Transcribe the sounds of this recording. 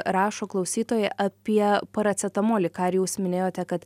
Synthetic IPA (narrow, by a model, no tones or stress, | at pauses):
ɾɑːʃoːklˠɐʊsʲiːt̪oːjɛʔɐpʲiɛpɐɾɐt̪t͡s̪ʲɛt̪ɐmoːlʲɪkɑɾjuːsmʲɪnʲeːjoːt̪ʲɛkɐt̪